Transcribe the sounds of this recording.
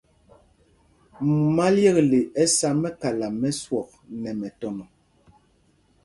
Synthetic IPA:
ma˦ljɛ˦˨kle˨ʔɛ˦sa˦mɛ˦ka˨la˨mɛ˦swɔ˨k̚nɛ˨mɛ˨tɔ˨nɔ˨

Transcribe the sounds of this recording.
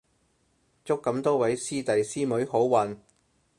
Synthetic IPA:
t͡sʊ˥kːɐ˨˥mt̪ɔː˥wɐ˨˥jsiː˥t̪ɐ˨jsiː˥mɵ˨˥ɥho˨˥wwɐ˨n

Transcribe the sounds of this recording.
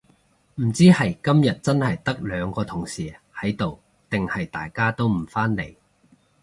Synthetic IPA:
m̩˨˩t͡siː˥hɐ˨jkɐ˥mjɐ˨t̚t͡sɐ˥nhɐ˨jt̪ɐ˥k̚lœː˨˧ŋkɔː˧t̪ʰʊ˨˩ŋsiː˨˩hɐ˨˥jt̪o˨w | t̪ɪ˨ŋhɐ˨jt̪a̰ː˨jkaː˥t̪o˥wm̩˨˩faː˥nle˨˩j

